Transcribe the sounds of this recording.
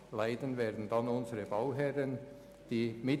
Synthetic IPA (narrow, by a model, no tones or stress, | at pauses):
laɪdənvɛːdn̩dɑnʊnzəʁəbaʊɦɛʁən | d̥iːmɪ